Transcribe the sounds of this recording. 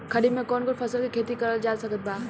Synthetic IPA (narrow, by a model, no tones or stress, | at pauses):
kʰɐɽimẽkɔːnkopʰɐsəlkikʰeːt̪ikɐɾəld͡ʒaːsɐkət̪̚baː